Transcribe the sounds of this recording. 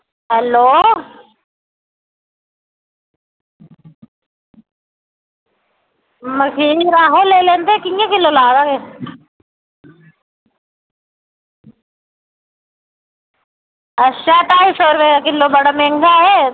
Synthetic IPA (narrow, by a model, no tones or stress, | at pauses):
ɦɛloː | məkʰiɾaːɦolːeːlẽːnd̪ekijãkɪlːolaːd̪ake | ɐʃaʈaːisoːɾʋeakɪlːobɐɽamẽŋɡaɦɛ